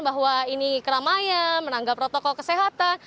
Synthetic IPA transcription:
baɦwainikəɾamajanmənaŋɡapɾot̪ɔkɔlkəseɦat̪an

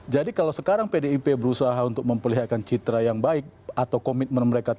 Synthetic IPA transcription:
d͡ʒadikalawsəkaɾaŋpedeipebəɾusaɦaunt̪ʊk̚məmpərliɦat̪̚kant͡ʃit̪ɾajaŋbaɪk̚ | at̪awkomɪt̪̚mənməɾeka

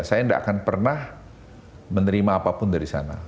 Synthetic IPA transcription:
sajaindaʔa̰kanpərnah | mənəɾimaːpapʊndaɾisa̰na̰

